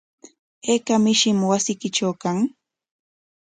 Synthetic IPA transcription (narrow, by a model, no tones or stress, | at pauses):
ekamɪʃɪmwasɪkɪʈ͡ʂawkaŋ